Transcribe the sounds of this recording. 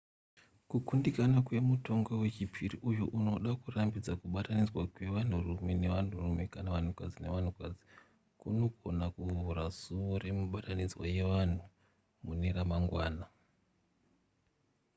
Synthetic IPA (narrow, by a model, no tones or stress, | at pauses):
kukundikanakwe̞muto̞ŋɡo̞we̞t͡ʃipʰiriʔujuʔuno̞ɗakurambid͡zakuɓatanid͡zwakwe̞ʋan̤urumene̞ʋan̤urumekanaʋan̤ukad͡zine̞ʋan̤ukad͡zi̥ | kuno̞ko̞nakuɦuɾasuʋore̞muɓatanid͡zwaje̞ʋan̤u | muneɾamaŋɡwaːna